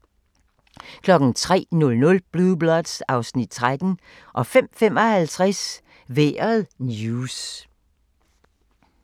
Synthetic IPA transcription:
kʰlɒ̽ɡ̥n̩t͡sʰʁɛ̰ːnɔ̽lnɔ̽lb̥luðˠb̥lɒd̥sɑ̈ʊsnid̥̚t͡sʰʁad̥n̩ | ʔɒ̽fem̰fem̰ɒhælt͡sʰʁas | ʋeɐðˠnjuːs

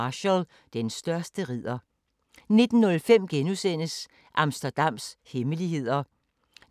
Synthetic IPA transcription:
ɕəl | d̥ensd̥ɶɐsd̥əʁið̰ˠɐ | ne̝d̥n̩ːɔ̽lfem̰ɡ̥enusen̰əs | ʔɑ̈msd̥ɐd̥ɑ̈m̰sheməliɦe̝ð̰ˠɐ

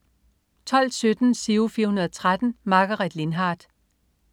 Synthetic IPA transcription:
t͡sʰɒ̽l̰d̥sød̥n̩seufiːɐhunɐðˠt͡sʰʁad̥n̩mɑ̈ɡ̥ɐʁɛd̥le̝nɦɑ̈ːd̥

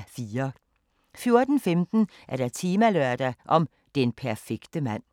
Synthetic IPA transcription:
fiːɐ | fjo̝ɐd̥n̩femd̥n̩ | æɐd̥æt͡sʰiːmæløɐd̥æʔɒ̽m | d̪̥enpʰæɐfeɡ̥d̥əmæn̰

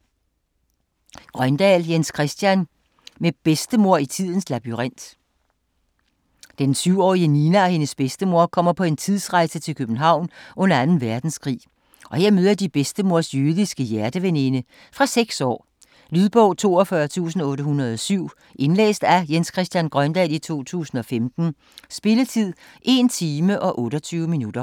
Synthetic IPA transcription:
ɡ̥ʁɶnd̥ɛ̰ːljenskʰʁɛsd̥jæn | meb̥esd̥əmo̝ɐ̰it͡sʰið̰ˠn̩slæb̥iʁɑn̰d̥ | d̥ensyʊ̰ɒ̰ːiəniːnæɒ̽he̝nəsb̥esd̥əmo̝ɐ̰kʰɒ̽m̰ɐpʰɒ̽e̝nt͡sʰið̰ˠsʁɑ̈ɪsət͡sʰe̝lkʰøb̥n̩ɦɑ̈ʊ̰nʔɔ̽nɐænn̩ʋæɐd̥n̩skʰʁḭː | ʔɒ̽he̝ɐ̰møð̞ˠɐd̥ib̥esd̥əmo̝ɐ̰sjøðˠisɡ̥əjæɐd̥əʋene̝nə | fʁɑ̈seɡ̥sɒ̰ː | lyðˠb̥ɔ̽ʊ̰t͡sʰo̝̰ːɒfɶɐt͡sʰṵːsn̩ɔ̽ːɾəɦunɐðˠɒsyʊ̰ | ʔe̝nlḛːsd̥æjenskʰʁɛsd̥jænɡ̥ʁɶnd̥ɛlit͡sʰo̝̰ːt͡sʰṵːsn̩ɒ̽femd̥n̩ | sb̥e̝lət͡sʰið̰ˠ | ʔe̝nt͡sʰiːməʔɒ̽ʔɔ̽ːɾɒt͡sʰyːʊminud̥ɐ

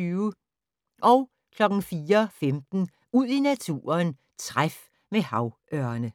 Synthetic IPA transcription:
yːʊ | ʔɒ̽ʊ | kʰlɒ̽ɡ̥ŋ̩fiːɐfemd̥n̩ | uð̰ˠinæt͡sʰṵːɐn | t͡sʰʁaf | mehɑ̈ʊʔɶɐnə

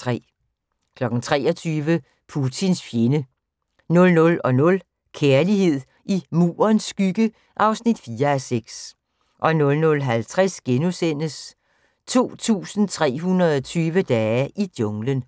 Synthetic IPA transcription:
ʁɛ̰ | kʰlɒ̽ɡ̥n̩t͡sʰʁɛ̰ːɒt͡sʰyːʋə | pʰut͡sʰinsfje̝nə | nɔ̽lnɔ̽lɒ̽nɔ̽l | kʰeɐlihe̝ð̰ˠ | ʔimṵːɐnsːɡ̥yɡ̥ə | ʔɑ̈ʊsnid̥fiːɐæseɡ̥s | ʔɒ̽nɔ̽lnɔ̽lɦælt͡sʰʁasɡ̥enusen̰əs | t͡sʰo̝̰ːt͡sʰṵːsn̩t͡sʰʁɛ̰ːɦunʁɐðˠɒt͡sʰyːʋəd̥ɛːʔid̥jɔ̽ŋlən

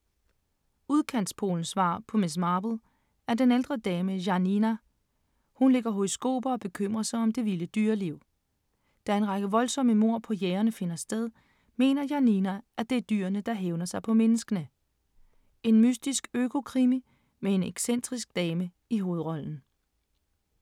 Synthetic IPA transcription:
uð̞ˠkʰæn̰d̥spʰo̝̰ːln̩sʋɑ̰̈ːpʰɒ̽mes̬mɑ̈ːb̥l̩ˠ | æɐd̥eneld̥ʁɐd̥ɛːməjɑ̈ninæ | hunle̝ɡ̥ɐɦoisɡ̥o̝̰ːb̥ɐ̽ːb̥e̝kʰøm̰ʁɐsɐɒ̽md̥e̝ʋiləd̥yːɐliʊ̰ | d̥ɑ̈ɐe̝nʁɑ̈ɡ̥əʋɒ̽lsɒ̽məmo̝ɐ̰pʰɒ̽jeːɐnəfe̝nɐsd̥eð̞ˠ | me̝̰ːnɐjɑninæʔæd̥e̝æɐd̥yːɐnəd̥ɑ̈ɦeʊnɐsɑ̈ɪpʰɒ̽menəsɡ̥ənə | e̝nmysd̥isɡ̥økʰo̝kʰʁimi | mee̝neɡ̥sen̰d̥ʁisɡ̥̚d̥ɛːmə | iɦo̝ːð̞ˠʁɒ̽ln̩

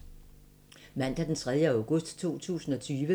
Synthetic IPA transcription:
mæn̰d̥æd̥ent͡sʰʁɛð̞ˠjəäʊɡ̥ɔ̽sd̥t͡sʰo̝̰ːt͡sʰṵːsn̩ɒ̽t͡sʰyːʋə

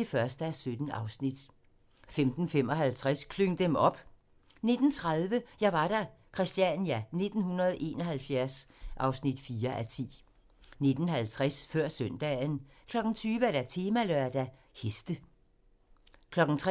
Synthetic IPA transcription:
efɶɐsd̥əæsød̥n̩ɑ̈ʊsnid̥ | femd̥n̩fem̰ɒ̽ɦælt͡sʰʁaskʰløŋ̰d̥emɒ̽b̥ | ne̝d̥n̩t͡sʰʁaðˠʋəjɑ̈ʋɑ̈ɾ̥ækʰʁɛsd̥jænjæne̝d̥n̩hunɐð̞ˠʔe̝ːnɒɦælfjæɐsʔɑ̈ʊsnid̥fiːɐʔæt͡sʰḭː | ne̝d̥n̩ɦælt͡sʰʁɛsfɶɐ̰sœn̰d̥ɛːn | kʰlɒ̽ɡ̥n̩t͡sʰyːʋəæɾ̥æt͡sʰe̝ːmæløɐd̥æ | hesd̥ə | kʰlɒ̽ɡ̥n̩t͡sʰʁ

